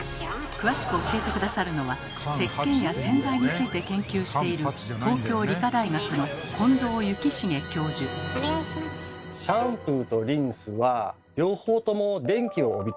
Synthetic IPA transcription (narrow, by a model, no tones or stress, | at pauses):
kɯ̟βaɕi̥kɯ̟o̞ɕie̞t̪e̞kɯ̟d̪asaɾɯ̟no̞βa | se̞kːẽ̞ŋjasẽ̞nd͡zaiɲ̟it͡sɨit̪e̞kẽ̞ŋkʲɨːɕi̥t̪e̞iɾɯ̟ | t̪o̞ːkʲo̞ːɾʲikad̪aiɡakɯ̟no̞kʰõ̞nd̪o̞ːjɯ̟kʲiɕiŋe̞kʲo̞ːʑɨ | ɕãmpɯ̟t̪o̞ɾʲĩɰ̃sɨβa | ɾʲo̞ːhoːt̪o̞mo̞d̪ẽ̞ŋkʲio̞ːbʲit̪